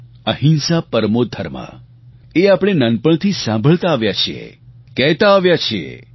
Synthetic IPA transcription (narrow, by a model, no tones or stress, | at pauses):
əɦinsapəɾmod̪ʱəɾmã̰ | eapɽ̃enənpəɳt̪ʰisãmbʱəɭt̪aːʋjat͡ʃʰiḛ | kɛɦt̪aːʋjat͡ʃʰḛ